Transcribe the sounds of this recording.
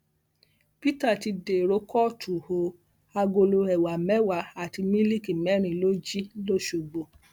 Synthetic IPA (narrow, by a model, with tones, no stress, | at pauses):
pi˦ta˦˨ti˧de˨ɾo˧˦kʰɔ˦tʰu˨ho˨ | a˧ɡo˧lo˧ɛ˨wa˨mɛ˦wa˧a˨ti˧mĩ˦li˦˨ki˨mɛ˨˦ɾ̃ĩ˧˨lo˦d͡ʒi˦lo˦˨ʃo˨ɡ͡bo˨